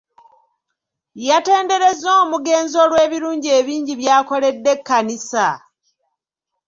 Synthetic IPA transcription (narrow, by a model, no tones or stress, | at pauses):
jate̞ːnde̞ɾe̞zo̞ːmuɡe̞ːnzo̞lwe̞ːβiɾuːɲɟie̞ːβiːɲɟiβjaːko̞le̞dːe̞kːanisa